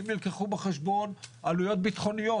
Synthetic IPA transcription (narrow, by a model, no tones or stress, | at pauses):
imnilkeχubeχeʃbo̞nalujo̞t̪̚bit̪χo̞nijo